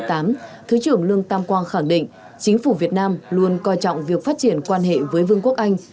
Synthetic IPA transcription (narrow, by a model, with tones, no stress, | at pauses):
t̪aː˨˦mt̪ʰɨ˨˦t͡ɕɨ˧˩əŋlɨ˧əŋt̪aː˧mkwaː˧nxa˧˩ŋɗḭ̈˧˨ŋ̟ | t͡ɕï˨˦ŋ̟fu˧˩vi˨˩ət̚naː˧mlu˧ənkɔ˧jt͡ɕɔ̰˧˨wŋ͡mvi˨˩ək̚faː˦˥t̚t͡ɕi˧˩ənkwaː˧nɦḛ˧˨vəː˨˦jvɨ˧ŋku˦˥ək̚ʔa˧jŋ̟